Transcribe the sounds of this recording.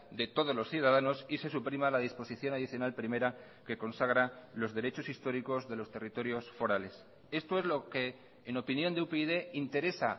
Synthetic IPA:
d̪e̞t̪o̞ð̞o̞zlo̞sθjuðaðano̞sise̞supɾimalað̞ispo̞siθjo̞naðiθjonalpɾime̞ɾa | ke̞ko̞nsaɣ̞ɾalo̞zðe̞ɾe̞t͡ʃo̞sist̪o̞ɾiko̞zðe̞lo̞st̪e̞rit̪o̞ɾjo̞sfo̞ɾale̞s | e̞st̪o̞e̞zlo̞ke̞ː | no̞pinjo̞nd̪eupeiðe̞int̪e̞ɾe̞sa

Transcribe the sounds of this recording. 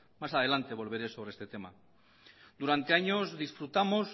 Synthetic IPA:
masaðe̞lant̪eβo̞lβe̞ɾeso̞β̞ɾeest̪et̪e̞ma̰ | d̪uɾant̪e̞aɲozðisfɾut̪amos

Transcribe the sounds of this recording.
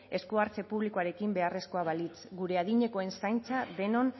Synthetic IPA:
e̞skuaɾt͡se̞puβlikoaɾe̞kimbe̞are̞skoaβalit͡sɡuɾe̞aðiɲe̞ko̞e̞nsajnt͡saðe̞no̞n

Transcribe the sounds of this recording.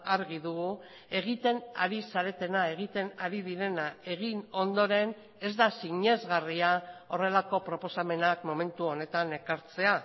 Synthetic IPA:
aɾɣiðuɣu | e̞ɣit̪e̞na̰ɾisaɾe̞t̪e̞nae̞ɣ̞it̪e̞naɾiðiɾe̞nae̞ɣ̞ino̞nd̪o̞ɾe̞n | e̞zd̪asiɲe̞zɣariao̞re̞lako̞pɾo̞po̞same̞nakmo̞me̞nt̪uo̞ne̞t̪ane̞kaɾt͡se̞a

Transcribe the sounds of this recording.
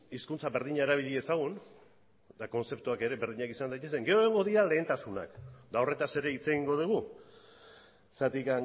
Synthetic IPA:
iskunt͡saβe̞ɾðiɲaeɾaβ̞iʎie̞saɣ̞un | d̪ako̞nse̞pt̪uake̞ɾe̞βe̞ɾðiɲakisand̪ajt̪ese̞ŋɡe̞oeŋɡo̞ðiɾale̞ːnt̪asuna̰kd̪ao̞re̞t̪ase̞ɾe̞it͡se̞ɣiŋɡo̞ð̞uɣu | sat̪ikaŋ

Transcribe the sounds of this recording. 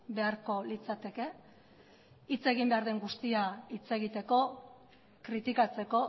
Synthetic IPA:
be̞aɾko̞lit͡sat̪e̞ke̞ | it͡se̞ɣ̞imbe̞aɾðe̞ŋɡust̪iait͡se̞ɣ̞it̪e̞ko̞ | kɾit̪ikat͡se̞ko̞

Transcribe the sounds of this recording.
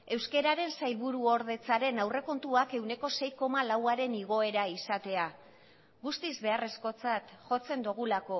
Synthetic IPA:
e̞wske̞ɾaɾe̞nsajlβuɾuo̞ɾð̞e̞t͡saɾe̞nawre̞ko̞nt̪uake̞wne̞ko̞se̞jko̞malawaɾe̞niɣ̞o̞e̞ɾaisat̪e̞a | ɣust̪izβe̞are̞sko̞t͡sat̪ʝo̞t͡se̞nd̪uɣ̞ulako̞

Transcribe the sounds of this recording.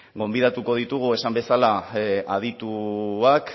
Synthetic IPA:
ɡo̞mbiðat̪uko̞ðit̪uɣ̞ue̞sambe̞salaaðit̪uak

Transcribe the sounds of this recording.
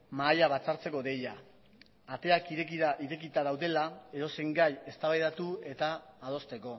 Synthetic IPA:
maːjaβat͡saɾt͡se̞ko̞ðe̞jaː | t̪e̞akiɾekiaiɾe̞kit̪aðawðe̞lae̞ðo̞se̞ŋɡaje̞st̪aβajðat̪ue̞t̪aːð̞o̞st̪e̞ko̞

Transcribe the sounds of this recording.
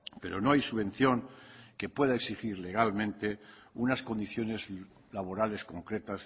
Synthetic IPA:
pe̞ɾo̞no̞ajsuβẽ̞nθjo̞ŋke̞pwe̞ðaeksixiɾle̞ɣ̞almẽ̞nt̪e̞unasko̞nd̪iθjo̞ne̞z | laβo̞ɾale̞sko̞ŋkɾe̞t̪as

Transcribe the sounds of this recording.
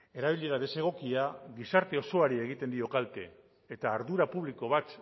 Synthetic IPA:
e̞ɾaβ̞iʎiðaðe̞se̞ɣ̞o̞kiaɣisaɾt̪e̞o̞so̞aɾie̞ɣ̞it̪e̞nd̪io̞kalt̪e̞ː | t̪aːɾðuɾapuβliko̞βat̪

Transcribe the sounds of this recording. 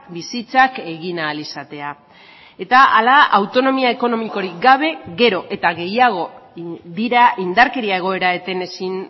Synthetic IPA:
bisit͡sake̞ɣinaːlisat̪e̞a | e̞t̪aalaawt̪o̞no̞miae̞ko̞no̞miko̞ɾiɡaβ̞e̞ɣe̞ɾo̞ʔe̞t̪aɣe̞jaɣ̞o̞ðiɾaind̪aɾke̞ɾiae̞ɣ̞o̞e̞ɾae̞t̪e̞ne̞sin

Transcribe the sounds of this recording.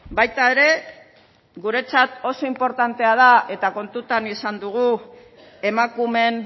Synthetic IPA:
bajt̪ae̞ɾe̞ | ɡuɾe̞t͡sat̪o̞so̞impo̞ɾt̪ant̪e̞að̞ae̞t̪ako̞nt̪ut̪anisand̪uɣ̞u | e̞makume̞n

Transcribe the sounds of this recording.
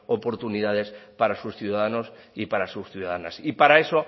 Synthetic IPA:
opo̞ɾt̪uniðaðe̞spaɾasusθjuðaðano̞sipaɾasusθjuðaðanasipaɾae̞so̞

